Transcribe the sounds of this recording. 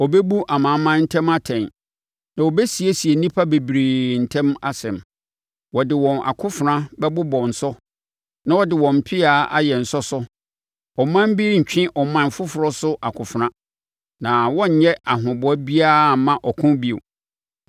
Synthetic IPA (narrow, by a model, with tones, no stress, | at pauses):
ɔ˨be˦bu˦ʔa˨mã˨˦mã˦n̩˦tʰɛ̃˦ma˦tʰɛ̃˨n | nã˨wo˨be˦si˨e˦si˨e˨nĩ˦pʰa˦be˨bɾiː˨n̩˨tʰɛ̃˦ma˨sɛ̰̃˨m | wɔ˨dɪ˨wɔ̃˨nʔa̰˨kʰʊ˦fʊ˨ɾã˦bɛ˦bʊ˦bɔ̃˨n̩˨sɔ˦ | nã˦ɔ˦dɪ˨wɔ̃˨m̩˨pʰɪ˦aː˨˦a̰˦jɛ˨n̩˨sɔ˦sʊ˦ | ɔ˨mã˦m˦bi˦ɾɲ̩˨t͡ɕᶣɪ̃˦ʔɔ˨mã˦˨n˨fʊ˦fʊ˨ɾɔ˦sʊ˦ʔa˨kʰʊ˨fʊ˨ɾã˦ | nã˨wɔ̃˦ɲ̩˨ɲɛ˦a˨ɦʊ̃˨bʊ˦æ˦bi˦a˦˨mã˦˨ʔɔ˨kʰʊ̃˦bi˦o̰˨